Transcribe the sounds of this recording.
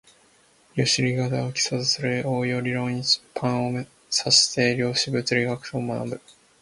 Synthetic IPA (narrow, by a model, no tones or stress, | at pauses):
ɾʲoɕiɾʲiɡat̪aokʲi̥sazɨsɨɾɯʔoːjoːɾʲiɾõ̞ːɲ̟i̥pʰãɰ̃ome | saɕi̥t̪e̞ɾʲjo̞ːɕibɯ̟t͡sɨɾʲiɡakɯ̟̥t̪omana̰bɯ̟